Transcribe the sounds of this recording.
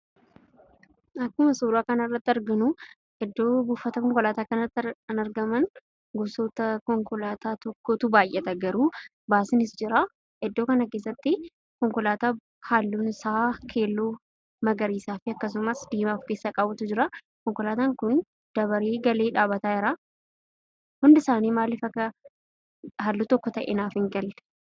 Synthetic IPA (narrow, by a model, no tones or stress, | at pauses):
ɐkːʊmɐsuːɾaːkɐnɐrːɐt̪ːɪɐɾɡɐnʊ | ʔɛd̪ːo̞ːbuːfːɐt̪ɐkɔŋkɔlaːt̪aːkɐnɐt̪ːɐnɐɾɡɐmɐn | ɡɔsɔt̪ɐkɔŋkɔlaːt̪aːt̪ɔkːot̪ʊbaːjʔɛt̪ɐɡɐɾuː | baːsɪnɪsd͡ʒɪɾa | ʔɛd̪ːoːkɐnɐkeːs̬ːɐt̪ːɪ | kɔŋkɔlaːt̪aː | haːlːuːnɪsaːkʰe̞ːlːuː | mɐɡɐɾiːsaːfɪɐkːɐs̬ʊmɐsd̪eːmaːfke̞ːsːakʼaːbwːɐt̪ʊd͡ʒɪɾɐ | kɔŋkɔlaːt̪aːŋkʊn | d̪̥ɐβɐɾeːɡɐle̞ːᶑaːbɐt̪aːɪɾaː | hʊnd̪ɪsaːniːmaːlːɪfɐkːɐ | ɦaːlːuːt̪ɔkːɔt̪ɐʔḛnaːfɪŋɡɐlːɛ̥